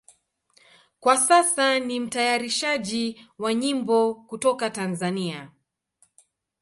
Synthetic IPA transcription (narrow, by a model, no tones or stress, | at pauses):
kwasasanim̩tajaɾiʃaʄiwaɲimbɔkutɔkatanzania